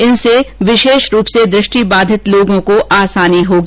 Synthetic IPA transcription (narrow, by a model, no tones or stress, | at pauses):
ɪnseʋɪʃeːʃɾuːpsed̪ɾɪʃʈibaːd̪ʱɪt̪loːɡõkoʔaːsaːniɦoːɡ